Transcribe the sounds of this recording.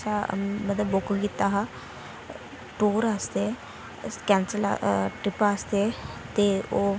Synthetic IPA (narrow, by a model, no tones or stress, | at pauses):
samət̪ləbokɡit̪aɦa | ʈoːɾast̪e | kɛ̃ːnsəla̰ʈɾɪpaːst̪et̪eo